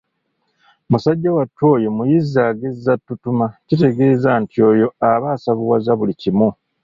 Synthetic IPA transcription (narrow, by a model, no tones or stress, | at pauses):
musaɟːawatːo̞ːjo̞mujizaːɡezːatːutumacite̞ɡe̞ːzaːntio̞ːjo̞aβaːsaβuwazaβulicimu